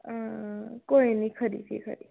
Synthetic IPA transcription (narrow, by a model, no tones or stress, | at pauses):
akoĩnikʰəɾḭfʰḭkʰə̰ɾi